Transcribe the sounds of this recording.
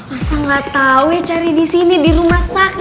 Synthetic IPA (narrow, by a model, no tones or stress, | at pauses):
masaŋɡat̪aujat͡ʃaɾidisinidiɾumasak̚